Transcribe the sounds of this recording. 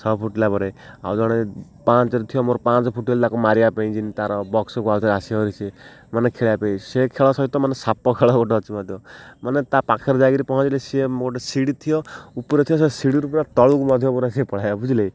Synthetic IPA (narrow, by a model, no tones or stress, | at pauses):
sʰɔpʰuʈlabɔɾea̰wd͡ʒɔɽ̃e | pãt͡ʃɔɾut̪ʰijɔmoɾɔpãt͡ʃɔpʰuʈelt̪akumaɾiapeĩd͡ʒinit̪aɾɔbɔksɔkuawt̪aasiɔɾisʰe | manekʰeɭapeĩsekʰeɭɔsɔɦit̪ɔmanesapɔkʰeɭɔɡɔʈɔːt͡ʃʰimɔd̪ʱjɔmanet̪apakʰɛɾd͡ʒakiɾipɔɦɔ̃t͡ʃilesemɡɔʈɔsiɽit̪ʰijɔupɔɾɔt̪ʰijɔsesiɽiɾupɾat̪ɔɭukumɔd̪ʱjɔpɔɾesepɔɽ̤ajɔbʱud͡ʒilej